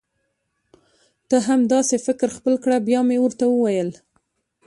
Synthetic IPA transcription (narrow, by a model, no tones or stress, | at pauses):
d̪̥əɦamd̪ɑsefɪkɾxpəlkɽabjɑmewəɾt̪awəwajəl